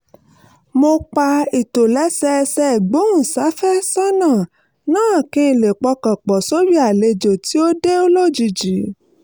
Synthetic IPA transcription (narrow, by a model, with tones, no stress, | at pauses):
mo˧k͡pa˧i˨to˨lɛ˨˦sɛ˧sɛ˧˨ɡ͡bõ˨˦ũ˦˨sa˨˦fɛ˦sɔ˦nã˦˨ | nãː˦˨kĩ˧˨le˨k͡pɔ˧kã˨k͡pɔ˨so˦wi˦a˨le˧d͡ʒo˨ti˨˦o˦de˦o˦lo˦˨d͡ʒi˧d͡ʒi˨˦